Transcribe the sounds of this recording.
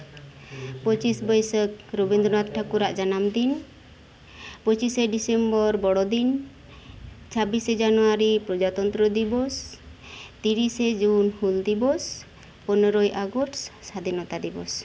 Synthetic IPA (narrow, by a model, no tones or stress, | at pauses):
pət͡ʃisbɔjsək̚ɾubind̪ɾɔnat̪ʈʰakuɾaʔd͡ʒanamd̪in | pət͡ʃisɛɖisɛmbɔɾbɔɽɔd̪in | t͡ʃʰabisd͡ʒanuwaɾipɾɔd͡ʒat̪ɔnt̪ɾɔd̪ibɔs | t̪iɾisɛd͡ʒunhuld̪ibɔs | pɔnɔɾɔjʔaɡɔʈssad̪inɔt̪ad̪ibɔ̰s